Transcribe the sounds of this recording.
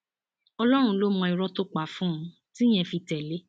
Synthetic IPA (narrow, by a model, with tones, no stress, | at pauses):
ɔ˧lɔ˦ɾ̃ũ˧lo˦mɔ̃˧i˨˧ɾɔ˦to˦k͡pa˨fũ˦˧ | ti˦j̃ɛ̃˧fi˧tɛ˨le˦